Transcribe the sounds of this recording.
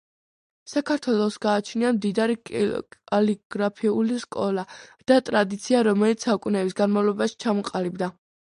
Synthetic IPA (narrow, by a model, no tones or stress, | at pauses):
sakʰaɾt̪ʰwɛlˠɔsɡaːt͡ʃʰniamd̪id̪aɾi | ɔliɡ̥ɾapʰiuliskʼɔlˠad̪̥at̪ʼɾad̪it̪sʰiaɾɔmɛlit̪ssaukʼunɛbisɡanmavlˠɔbaʃi̥t͡ʃʰamɔqʼalibd̪a